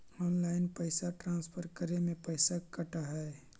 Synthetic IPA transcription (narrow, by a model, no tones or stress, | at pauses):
ɔːnlaːɪnpəɪsaʈɾãːnspʰəɾkəɾemẽpəɪsakɐʈaɦɛː